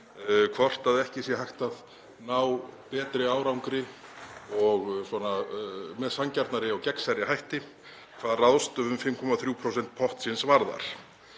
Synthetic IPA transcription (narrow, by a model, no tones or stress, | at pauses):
kʰvɔr̥t̪aðɛhcɪsjɛhajxt̪að | nawpɛːt̪ɾɪaːwɾawŋkɾɪ | ɔɣsɔnamɛðsancaɾt̪naɾɪawcɛksajɾɪɦajht̪ɪ | kʰv̥aːðraðst̪ʏvʏmfɪmkʰɔmaθɾjuːpʰɾɔwsɛnt̪̚pʰɔht̪sɪnsvaɾða̰ɾ̥